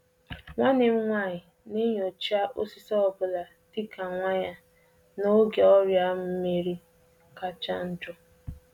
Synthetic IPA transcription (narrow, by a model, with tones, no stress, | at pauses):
ŋʷa˦ne˨m̩˦ŋʷa˦˨ɲɪ˨ | nɪ˦ɲɔ˨t͡ʃa˦ʔo˦si˦sɔ˦ɔ˦bʊ˨la˨ | ti˦kʰa˨ŋʷa˦ɲa˦ | no˦ɡe˨ɔ˦ɾja˦m̩˨m̩˦me˦ɾi˦ | ka˦t͡ʃa˦n̩˦d͡ʒʊ˦